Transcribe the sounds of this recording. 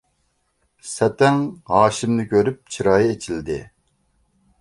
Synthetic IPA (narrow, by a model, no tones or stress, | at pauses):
sɛt̪ɛŋɦɑːʃɪmnɪkʲʰøɾyp̚t͡ʃʰiɾɑːjɪet͡ʃʰild̪ɪ̰